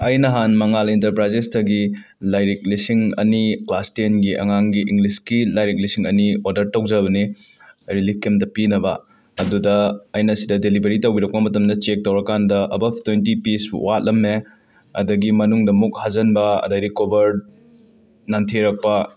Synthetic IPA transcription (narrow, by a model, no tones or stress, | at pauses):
ɐjnɐɦanmɐŋalentɐɾpɾajzestɐɡi | lajɾik̚lisiŋɐ̰niklastenɡiʔɐ̰ŋaŋɡiʔiŋɡliskilajɾik̚lisiŋɐ̰nioɾdɐɾtɐwd͡ʒɐbɐni | ɾilikemdɐpinɐbɐ | ɐdudɐɐjnɐsidɐdelibɐɾitɐwbiɾɐk̚pɐmɐtɐmdɐt͡ʃek̚tɐwɾɐkandɐʔɐbɐb̚ʱtwentipiswat̚lɐmne | ɐ̰dɐɡimɐnuŋdɐmuk̚hazɐnbɐɐ̰dɐɾikobɐɾ | nantʰeɾɐk̚pɐ